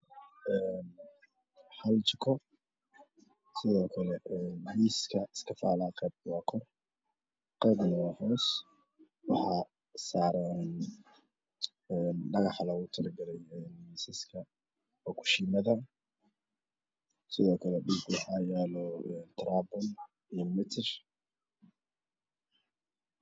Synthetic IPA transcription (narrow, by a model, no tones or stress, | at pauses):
ʔɛːn | ħɐlt͡ʃɪkʰɔ | sɪðɔːkʰɐlɛɛnhijskʰɐɪskʰɐfa̰ːlaːqɛːb̚waːkʰɔr | qɛːbnɐwɑːħɔːs | wɑħɑː | saːɾɛːn | ɛnɖɐɣɑħlɐɣʊt̪ʰɐlɡɐlɛjɛːnmisɪskʰɐ | ɔkʰʊ̥ʃiːmɐðɐ | sɪðɔːkʰɐlɛɗiɡwɑħaːjɛlɔɛnt̪ʰɾaːbɔn | ijɔmɪt̪ʰɪr